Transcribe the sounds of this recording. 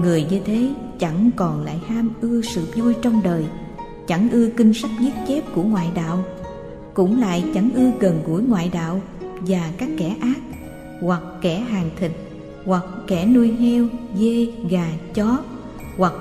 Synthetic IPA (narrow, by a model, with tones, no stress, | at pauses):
ŋɨ˨˩əjɲi˧t̪ʰe˨˦ | t͡ɕa˧˩ŋkɔ˨˩nla̰ː˧˨jhaː˧mʔɨ˧əsɨ̰˧˨zu˧jt͡ɕɔ˧wŋ͡mɗəː˨˩j | t͡ɕa˧˩ŋʔɨ˧əkï˧ŋ̟sa˦˥k̟̚ɲi˦˥t̚t͡ɕe˦˥p̚ku˧˩əŋwa̰ː˧˨jɗa̰ː˧˨w | kʊ̰˧˥ŋ͡mla̰ː˧˨jt͡ɕa˧˩ŋʔɨ˧əɣə˨˩nɣu˧˩əjŋwa̰ː˧˨jɗa̰ː˧˨w | vaː˨˩kaː˦˥kːɛ˧˩ʔaː˦˥k̚ | hwa˨˩k̚ːɛ˧˩ɦaː˨˩ŋt̪ʰï˨˩k̟̚ | hwa˨˩k̚ːɛ˧˩nu˧əjhɛ˧wze˧ɣaː˨˩t͡ɕɔ˨˦ | hwa˨˩k̚